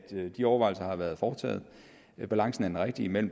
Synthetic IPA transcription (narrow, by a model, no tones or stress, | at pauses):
d̥d̥iɒʊɐʋɑ̈ɪl̩sɐhɑ̈ʋæɐð̞ˠfɒ̥ːt͡sʰɛ̰ːð̞̩ˠ | b̥ælɑ̈ŋsn̩æɐdenʁeɡ̥̚d̥iimel̰m̩